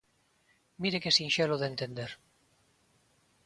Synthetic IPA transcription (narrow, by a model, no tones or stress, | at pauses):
miɾekesinʃeloðent̪end̪eɾ